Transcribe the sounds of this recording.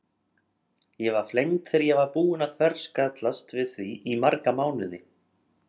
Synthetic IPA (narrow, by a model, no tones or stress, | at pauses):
jɛɣvaɾ̥flejŋt̪θɛɾjɛɣvaɾpuːɪnaðθʰvɛɾ̥skat̪last̪vɪðθviʔimaɾkamaːwnʏðɪ